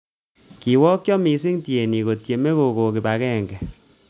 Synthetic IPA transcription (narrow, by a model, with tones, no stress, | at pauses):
ki˨wɔː˦k̚t͡ʃjɔ˦mi˨s̬i˦ŋtje˨ni˨ko˨tje˨me˦ko˨ko˨ki˨ba˨kɛ˦˨ŋɡɛ˨